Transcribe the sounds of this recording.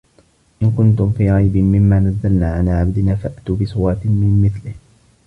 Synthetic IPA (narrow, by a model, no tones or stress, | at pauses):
ʔɪnkʊnt̪ʊmfiːɾɑjbɪmɪmːaːnazːalnaːʕalaːʕabd̪ɪnaːfaʔat̪uːbɪsˤʊwɑt̪ɪmɪmːɪθlɪh